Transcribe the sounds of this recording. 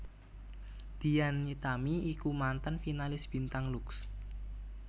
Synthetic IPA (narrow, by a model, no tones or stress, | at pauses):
d̪̥i̤janit̪amiikumant̪ənfinalɪsb̥i̤nt̪aŋluks